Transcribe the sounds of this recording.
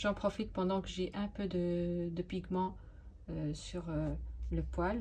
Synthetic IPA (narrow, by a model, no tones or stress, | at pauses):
ʒɑ̃pχɔfit̪̚pɑ̃d̪ɑ̃kəʒeʔɛ̃pød̪əd̪əpiɡmɑ̃ | øsyʁøləpwal